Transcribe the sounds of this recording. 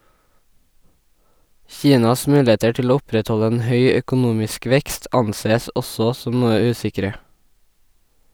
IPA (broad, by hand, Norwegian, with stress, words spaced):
ˈçiːnɑs ˈmʉːˌleːtə ˈʈɪl ˈoː ˈʊpɾɛtˌhɔʎə ˈeːn ˈhœʏ œkʊˈnuːmɪsk ˈʋɛkst ˈɑnˌseːəs ˈʔɔsɔ ˈsɔm ˈnuːə ˈʉːsɪkɾə